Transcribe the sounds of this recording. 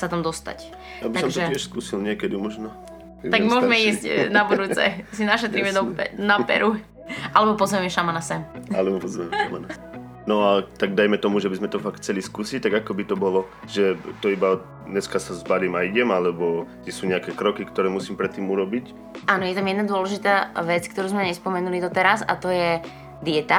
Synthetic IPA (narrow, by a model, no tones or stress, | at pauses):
sat̪amd̪ɔst̪a̰c | jabiasɔɡmt̪ɔʒɛcɪɛʃskuːsilɲɪɛkɛd̪imɔʒnɔ | aɡmʊɔʒmɛiszcnabuɾut͡sɛ̰sinaʃɛt̪ɾimɛnɔpɛnapɛ̰ɾu | ʔalɛbɔpɔzʋɛmɛʃamanasɛmʔa̰lɛbɔpɔzɛmɛʃa̰mana | nɔat̪aɡ̚d̪ajmɛt̪ɔmuʒɛbizmɛt̪ɔfaktt͡sɛliskuːsic̚t̪aɡakɔbit̪ɔbɔlɔ | ʒɛt̪ɔiba | ɲɛskasazbaɾiːmaiɟɛmalɛbɔt̪ɛsuːɲɛakɛkɾɔkikt̪ɔɾɛːmusiːmpɾɛt̪ːiːmuɾɔbic | ʔaːnɔjɛt̪amjɛd̪nad̪ʊɔlɛʒit̪aːʋɛt͡skt̪ɔɾuːzmɛɲɛspɔmɛnulid̪ɔt̪ɛɾaza̰t̪ɔjɛ | d̪ɪɛt̪a